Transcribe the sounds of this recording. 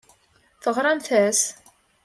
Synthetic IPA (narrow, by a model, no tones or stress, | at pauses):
θəʁɾˤɑmθæs